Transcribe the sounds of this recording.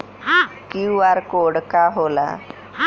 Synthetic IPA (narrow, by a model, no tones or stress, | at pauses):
kiʋaɾkoɽkaɦola̰